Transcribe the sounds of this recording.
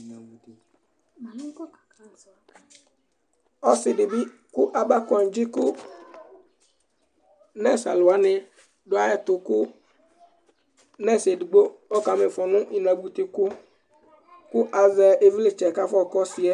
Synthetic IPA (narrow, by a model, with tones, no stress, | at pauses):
ɔ˦sɪ˨dɪ˨bi˦ | kʊ˦ʔa˨ba˦kɔ˨n˨d͡ʒi˦kʊ˦ | nɛ˦˨sa̰˨lʊ˨a˦nɪ̃˨ | ɖʊ˨a˦jɛ˦t̪ʊ˨kʊ˦ | nɛ̃˦˨se˨di˨ɡ͡bo˦ɔ˦ka˨me˨fɔ˨nʊ̃˦ʔi˨nã˨ɡ͡bu˨t̪i˨kʊ˦ | kʊ˦ʔa˨zɛ˨ʔe˨vi˦lɪ˦t͡ʃɛ˨ka˦fɔ˦˨kɔ˦si˨ɛ˦